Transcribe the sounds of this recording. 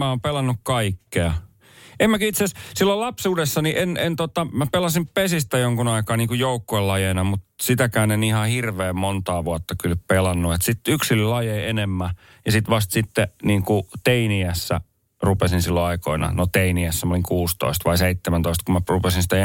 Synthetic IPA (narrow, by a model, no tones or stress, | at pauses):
mæoːmpelɑnːukkɑikːeɑ | emmækøit̪seæssilːolɑpsuːdesːɑniʔenent̪ot̪ɑmæpelɑsimpesist̪æjoŋkunɑikɑːniːŋkujoukːoelːɑjeinɑmut̪sit̪ækæːnenihɑhirʋeːmmont̪ɑːʋuɑt̪ːɑkylppelɑnːuet̪sit̪yksilylɑjeienemːæ | jɑsit̪ʋɑst̪sit̪ːeniːŋkut̪einiæsːæ̰ | rupesinsilːoɑiko̰inɑ̰not̪einiæsːæmæoliŋkuːst̪o̰ist̪ʋɑiseit̪ːemænt̪oist̪kumærupesinsi̥t̪æ